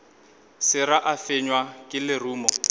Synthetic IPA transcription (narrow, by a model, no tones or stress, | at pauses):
sɪɾaʔafɪɲwakʼɪlɪruːmɔ